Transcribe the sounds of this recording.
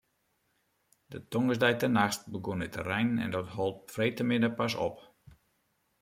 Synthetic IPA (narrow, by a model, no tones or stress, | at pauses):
dətɔŋəsdɛjtənaxt̚bəɡonətə̰rɛjnɛ̰ndɔtɦɔlˠtfrejtəmɪdəpasɔ̰p